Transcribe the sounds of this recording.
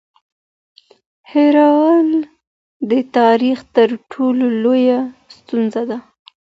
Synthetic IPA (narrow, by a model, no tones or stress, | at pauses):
heɾɑwl | d̪ət̪ɑɾixt̪əɾʈʰololojast̪unzad̪a